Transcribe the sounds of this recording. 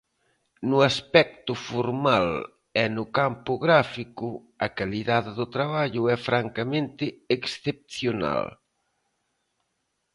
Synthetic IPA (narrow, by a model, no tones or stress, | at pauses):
nʊaspɛk̚t̪ʊfoɾmal | ɛnʊkampʊɣɾafikʊ | ɐkaliðaðeðʊt̪ɾaβaʎʊɛfɾaŋkamẽnt̪ɪːksθep̚θjona̰l